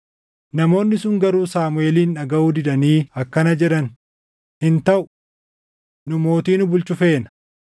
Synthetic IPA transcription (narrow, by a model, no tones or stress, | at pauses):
nɐmo̞ːnːɪsʊŋɡɐɾuːsaːmʊeːliːnᶑɐɡɐuːd̪ɪᶑ̪ɐniːɐkːɐnɐd͡ʒɛᶑɐn | hɪnt̪ɐʔʊ̥ | nʊmo̞ːt̪iːnʊbʊlt͡ʃʊfe̞ːnɐ̥